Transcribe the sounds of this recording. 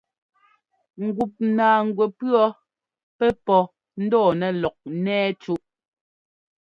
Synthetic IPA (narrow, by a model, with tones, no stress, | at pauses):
ŋ̩˨ɡu˨p̚naː˨ŋ˨ɡwɛ˨pɰɔ˦ | pɛ˦pɔ˨ | n̩˦dɔː˦˨nɛ˨lɔ˨k̚nɛː˦t͡ʃu˦ʔ